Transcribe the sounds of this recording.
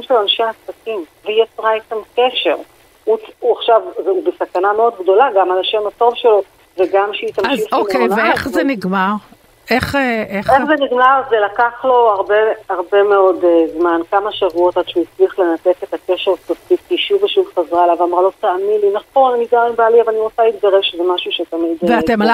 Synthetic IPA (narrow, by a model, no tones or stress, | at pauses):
imʃelanʃeasakimvejot͡sʁait̪amkeʃe̞ʁ | uuaχʃavzubesakanameo̞d̪ɡd̪o̞laɡamalaʃemhato̞vʃelo̞ | veɡamʃeit̪amʃiokejveeχzeniɡmaʁ | e̞χeʔeχeχzeniɡmaʁzelakaχlo̞aʁbeaʁbe̞meo̞dzmankamaʃavuo̞t̪ad̪ʃujit͡sliaχle̞nat̪e̞tet̪ake̞ʃeʁtofifkiʃuveʃuvχazʁaelavamʁalo̞t̪aamilinaχo̞nanit̚ɡaʁembaliavalaniʁot͡salit̪̚ɡaʁevʃezemaʃuʃet̪amid̪veatema